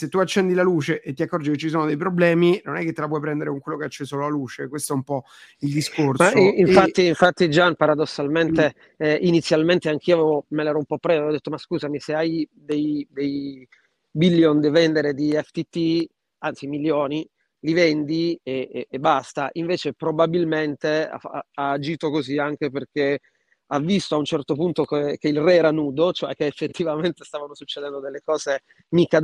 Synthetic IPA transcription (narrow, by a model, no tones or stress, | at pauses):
set̪ːuat͡ʃːɛnd̪ilaluːt͡ʃeʔet̪ːiakːɔrd͡ʒiket͡ʃːis̬oːnod̪ejpɾoblɛːminonɛkːet̪ːelap̬wɔjpɾɛnd̪eɾekoŋkwelːokeat͡ʃːesololaluːt͡ʃekwest̪oɛumpɔ | ild̪iskorsmaiiɱfat̪ːiːɱfat̪ːid͡ʒanpaɾad̪osːalment̪e | ʔinit̪sːjalment̪eaŋk̟ʰiːoavevomelɛɾɔumpɔpːɾɛvaevɔd̪et̪ːomaskuːzamiseaj | d̪ejd̪ej | bilːjond̪evɛnd̪eɾed̪iɛft̪it̪ːi | ant̪similjoːni | livɛnd̪ieːbːast̪aʔiɱveːt͡ʃepɾobabilment̪ea̰a̰aːd͡ʒiːt̪okoziaŋk̟eperk̟e | avːist̪oaunt͡ʃɛrt̪opunt̪okekeilrɛɛːɾanuːd̪ot͡ʃoɛk̟ːeːfːet̪ːivament̪est̪aːvanosut͡ʃːed̪ɛnd̪od̪elːekɔːze | mika